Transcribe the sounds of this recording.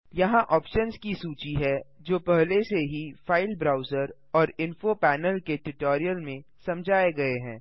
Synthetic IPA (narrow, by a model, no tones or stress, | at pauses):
jɐɦãʔɔːpʃənzkisuːt͡ʃiɦɛd͡ʒoːpɛɦleseɦifaːɪlbɾaːʊzəɾ | ɔːɾɪ̃nfopɛːnəlkeʈʊʈoːɾijəlmẽsɐ̃md͡ʒʱaːeɡɐeɦɛ̰̃ː